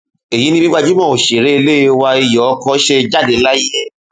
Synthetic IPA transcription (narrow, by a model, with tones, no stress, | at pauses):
e˨ji˨˦nĩ˦bĩ˦ɡ͡ba˧d͡ʒu˦mɔ̃˦˨o˨ʃe˨ɾe˦e˧le˦wa˧i˧jɔ˨˦kɔ˦ʃe˧d͡ʒa˦˨de˨˦la˦i˦ɛ˦˨